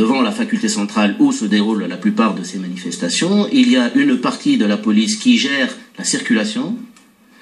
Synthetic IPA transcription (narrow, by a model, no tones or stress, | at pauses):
əvɑ̃lafakʲylt̪esɑ̃t̪χalusəd̪eʁullaplypaːʁd̪əsemanifɛst̪asjɔ̃iliaʔynpaʁt̪ʰid̪əlapɔliskʲiʒɛːʁlasiʁkʲylasjɔ̃